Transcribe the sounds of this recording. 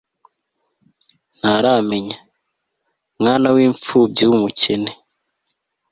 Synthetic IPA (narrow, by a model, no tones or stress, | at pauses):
n̥aɾaːme̞ɲa | mŋaːnawiːɱfuːb̚jiwumuce̞ne